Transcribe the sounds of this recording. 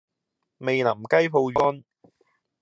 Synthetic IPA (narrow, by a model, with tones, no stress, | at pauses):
me˨jnɐ˨˩mkɐ˥jpʰo˧wjɔː˥n